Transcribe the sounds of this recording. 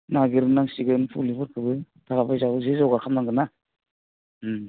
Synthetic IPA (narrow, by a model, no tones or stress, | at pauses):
naɡiɾɯnaŋsiɡɯnpʰulipʰɯɾkʰɯbɯ | tʰaɾapajzabɯzezawɡakʰamnaŋɡɯna